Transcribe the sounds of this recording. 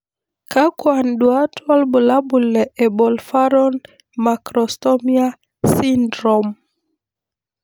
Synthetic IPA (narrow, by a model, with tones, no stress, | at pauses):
ka˦kwa˨ndwa˦twa˦lbu˨la˦bu˨lɛ˨ʔɛ˨bɔ˨lfa˦ɾɔ˦n | ma˨kɾɔ˨stɔ˦mi˦a˦ | si˦ndɾɔ˨m